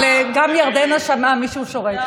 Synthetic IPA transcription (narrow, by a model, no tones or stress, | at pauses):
leɡamjaʁd̪enaʃamamiʃuʃo̞ʁet̪